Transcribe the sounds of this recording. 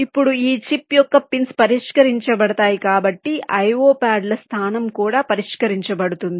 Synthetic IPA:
ipːuɽuiːt͡ʃipːjɔkːɐpinspɐɾiʂkɐɾiɲt͡ʃɐbɐɽɐt̪aːjikaːbɐʈːiʔɐjʋoːpaːɖlɐst̪ʰaːnɐmkuːɽaːpɐɾiʂkɐɾiɲt͡ʃɐbɐɽut̪und̪i

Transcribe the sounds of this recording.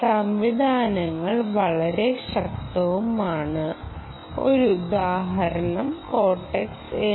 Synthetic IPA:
sɐmʋid̪ʱaːnɐŋːɐɭʋɐɭɐɾe̞ɕɐk̚t̪ːɐʋumaːɳɨ | o̞̰ɾud̪aːɦɐɾɐɳɐmkoːʈːekse

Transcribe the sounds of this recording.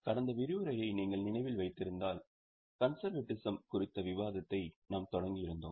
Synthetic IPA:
kɐɽɐnd̪ɐʋɪɾɯʋɯɾɐjɐɪniːŋɡɐɭnɪnɐɪʋɪlʋɐɪt̪ːɪɾɯnd̪aːl | kɐnsɐɾʋeʈːɪsɐmkʊrɪt̪ːɐʋɪʋaːðɐt̪ːɐɪnaːmt̪ɔɽɐŋɡɪjɪɾɯnd̪o̰ːm

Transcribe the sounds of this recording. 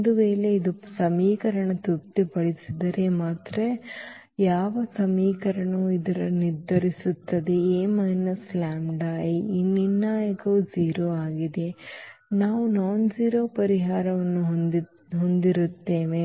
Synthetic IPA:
d̪uʋeːle̞id̪usɐmiːkɐɾɐɳɐt̪up̚t̪ipɐɭisid̪ɐɾemaːt̪ɾe | jaːʋɐsɐmiːkɐɾɐɳɐuid̪ɐɾɐniɾd̪ʱɐɾisut̪ːɐd̪eeːmɐnːɐslaːmɖaːjinːinːaːjɐkɐud͡ʒiːɾoːaːɡid̪e̞naːʋunaːnd͡ʒiːɾo̞ːpɐɾiɦaːɾɐʋɐnːuɦ | ɦond̪iɾut̪ːeːʋe

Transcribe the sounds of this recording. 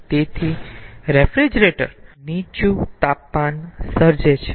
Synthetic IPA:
t̪et̪ʰiɾefɾid͡ʒɾeʈə̰ɾnit͡ʃut̪apmansəɾd͡ʒet͡ʃʰe̥

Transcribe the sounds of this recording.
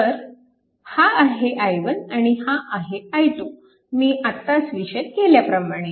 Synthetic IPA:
t̪əɾ | haaɦeʔajʋənaɽ̃ihaʔaɦeajt̪o | miːʔat̪ːasʋiɕət̪̚keljapɾəmaɽ̃e

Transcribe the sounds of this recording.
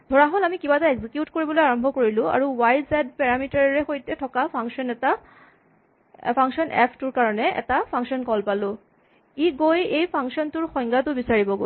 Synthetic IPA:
dʱɔɹaɦolamikibataɛɡzikjutkoɹibɔlojaɹɔmbʱɔkoɹilʊ̃a̰ɹuwajzɛd̚pɛɹamitaɹɹɛxojtɛtʰɔkapʰaŋsɔnɛta | pʰaŋsɔnʔɛ̰pʰtʊɹkaɹɔnɛɛ̰tapʰaŋksɔnkɔlpalʊ̃ | iɡojejpʰaŋksɔntʊɹxɔj̃ŋɡatʊbisaɹibɔɡo

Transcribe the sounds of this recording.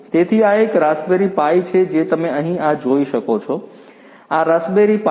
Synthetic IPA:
t̪eːt̪ʰiaekɾaːsbeɾipait͡ɕʰed͡ʑeːt̪ɐmẽɐɦĩad͡ʒoːiʃɐkot͡ʃʰo | aɾasbeɾipa

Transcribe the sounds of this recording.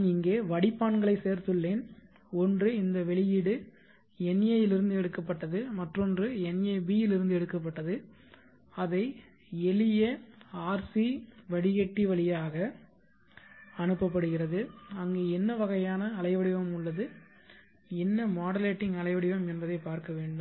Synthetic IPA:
ɪŋɡeːʋɐɽɪpːaːɳɡɐɭɐɪseːɾt̪ɯɭːeːn | ɔndrɯɪnd̪ɐʋɛɭɪjɪɽɯ | ɛneːjɪlɪɾɯnd̪ɯɛɽɯkːɐpːɐʈːɐðɯmɐʈrɔndrɯɛneːbiːjɪlɪɾɯnd̪ɯɛɽɯkːɐp̬ːɐʈːɐðɯ | ɐðɐɪ | ɛlɪjɐaːɾsiʋɐɽɪɣɛʈːiʋɐɭɪjaːɣɐ | ɐnɯpːɐp̬ːɐɽɯɣɪrɐðɯɐŋɡeːɛnːɐʋɐɣɐjaːnɐːlɐɪʋɐɽɪʋɐmʊɭːɐðɯ | ɛnːɐmaːɽɐleːʈːɪŋɡɐlɐɪʋɐɽɪʋɐmɛnbɐðɐɪpaːɾkɐʋeːɳɖɯm

